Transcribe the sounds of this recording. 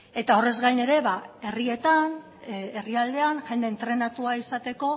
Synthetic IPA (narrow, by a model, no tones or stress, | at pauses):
e̞t̪ao̞re̞zɣajne̞ɾe̞βae̞rie̞t̪an | eriald̪e̞anʝe̞nd̪eːnt̪ɾe̞nat̪uaisat̪e̞ko̞